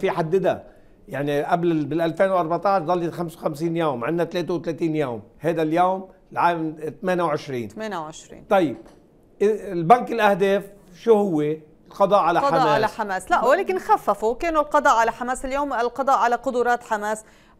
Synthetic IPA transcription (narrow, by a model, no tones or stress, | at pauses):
fiħad̪ːɪd̪a | jaʕniʔablbɪlʔalfeːnwʔɑɾˤbaʕt̪ˤɑʕʃzˤɑlːit̪xamswxamsiːnjoːmʕɪnːat̪leːt̪ewt̪leːt̪iːnjoːmhajd̪aljoːmlʕaːmt̪meːnawʕɪʃɾḭːnmeːnawʕɪʃɾḭːt̪ˤɑjːɪb̥̚ | ʔɪlbaŋkɪlʔahd̪eːf | ʃuːhʊwːe | lqɑd̪ˤɑːʔʕalaħamaːsaħameːslaʔwaleːkɪnxafːafukeːnulqɑd̪ˤɑːʔʕalaħameːsɪljoːmɪlqɑd̪ˤɑːʔʕalaqʊd̪ʊɾˤɑːt̪ħameːs